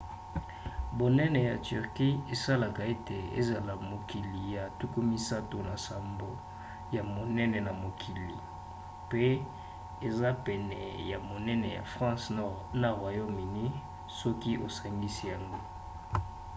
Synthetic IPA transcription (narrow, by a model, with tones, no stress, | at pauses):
bo˨nɛ˦nɛ˨ja˨ty˨ʁki˦e˨sa˦la˨ka˨e˦te˨ḛ˦za˨la˨mo˨ki˨li˨ja˨tu˦ku˦mi˦sa˦to˨na˨sa˨mbo˦ | ja˨mo˨nɛ˦nɛ˨na˨mo˨kʰi˨li˨ | pe˦ | e˨za˦pɛ˨nɛ̰˨ja˨mo˨nɛ˦nɛ˨ja̰˨fʁɑ̃˦snɔ˦ʁna˨ʁwa˨jo˦mi˨ni˦ | sɔ˦ki˦ʔo˨sa˨ŋɡi˦si˦ja˨ŋɡo˦